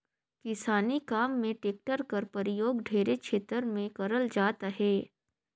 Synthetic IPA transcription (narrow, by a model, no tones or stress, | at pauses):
kɪsaːnikaːmːẽʈeːk̚ʈəɾkəɾpɐɾɪjoːɡɖʱeːɾekʃʰeːt̪əɾmẽkɐɾəld͡ʒaːt̪ɦeː